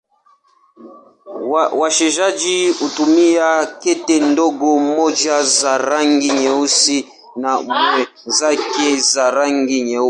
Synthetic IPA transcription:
wawaʃɛʒad͡ʒiutumijakɛtɛndɔɡɔmɔd͡ʒazaɾaŋɡiɲɛusi | namwɛ | zakɛzaɾaŋɡiɲɛu

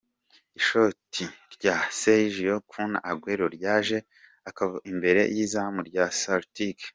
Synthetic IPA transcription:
iʃotʰiɾɟaseʒijokʰuna̰ʔaɡweɾoɾɟaːʒe̞ | akaβaʔimbe̞ɾe̞̰jizamuɾɟasaɾtik

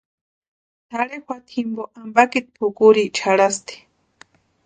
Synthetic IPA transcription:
t̪ʰaɽexʷwat̪ʰimboʔambakit̪̚pʰʊkuɾit͡ʃʰaɺast̪i̥

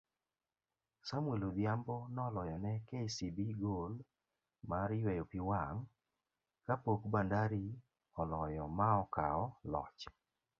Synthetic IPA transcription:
samwelod̪jambɔnɔlɔjɔnɛkesibiɡol | maɾjwɛjopiwaŋ | kapokbandaɾi | ɔlɔjɔmaɔkaɔlɔ̰t͡ʃ

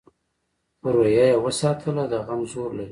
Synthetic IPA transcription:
əɾojajawəsɑt̪ʰəlad̪aɣamzoɾlaɾi

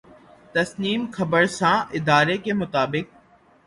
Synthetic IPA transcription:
t̪ɐsniːmxɐbəɾsãːʔɪd̪aːɾekemʊt̪aːbɪk̚

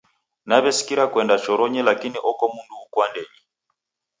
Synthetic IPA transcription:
naβɛsi̥kiɾakwɛndat͡ʃɔɾɔɲɛlakiniʔɔkɔmunduːkwandɛɲi

